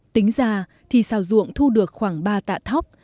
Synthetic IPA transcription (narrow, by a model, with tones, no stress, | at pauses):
t̪i˨˦ŋ̟zaː˨˩ | t̪ʰi˨˩saː˧˩wzṵ˧˨əŋt̪ʰu˧ɗɨ˨˩ək̚xwaː˧˩ŋɓaː˧t̪a̰ː˧˨t̪ʰa˦˥wk͡p̚